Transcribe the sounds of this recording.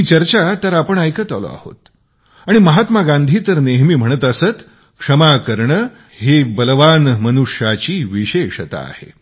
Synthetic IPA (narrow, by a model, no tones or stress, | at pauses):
ɦiːt͡ɕəɾt͡ɕat̪əɾapəɳajkət̪ə̰lo̰a̰ho̰t̪ | aɽ̃iməɦat̪maɡãnd̪ʱiːt̪əɾneɦmiːm̤əɽ̃ət̪əsət̪ | kʂəmakəɾɳə | hebəlʋanmənuʂjat͡ɕiːʋiɕeɕət̪a̰ːhḛ